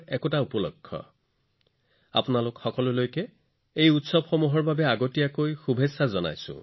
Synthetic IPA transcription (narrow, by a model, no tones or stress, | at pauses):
ɛkʊtaupɔlɔ̰kʰːɔ̰ | a̰pʊnalʊkxɔkɔlʊlojkɛ | ejutsɔbxɔmuɦɔɹbabɛaɡotijakojxubʱesazɔna̰jsʊ̰̃